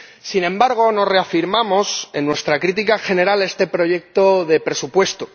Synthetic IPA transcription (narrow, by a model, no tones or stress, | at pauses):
sinẽ̞mbaɾɣ̞o̞no̞sre̞afiɾmamo̞se̞nːwe̞st̪ɾakɾit̪̬ikaxe̞ne̞ɾale̞st̪e̞pɾo̞ʝe̞k̚t̪oðe̞pɾe̞supwe̞st̪o